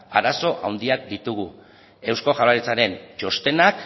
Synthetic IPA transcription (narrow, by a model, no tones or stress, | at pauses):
aɾaso̞ʔa̰wnd̪iak̚d̪it̪uɣu | e̞wsko̞xʝaɾaɾit͡saɾe̞nt͡ʃo̞st̪e̞nak